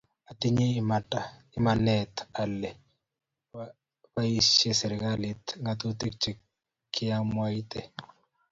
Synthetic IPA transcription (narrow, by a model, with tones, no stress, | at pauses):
a˨t̪ɪ˦ɲe˦ma˨ta˨ɪ˦ma˨nɛt̪a˨lːɛ˨ | pa˦i˦ʃje˦sɛ˨ɾɪ˨ɡalɪt̪ŋat̪o˦t̪i˦k̚t͡ʃi˨ | kːɪ˦ja˦mwa˦it̪e˨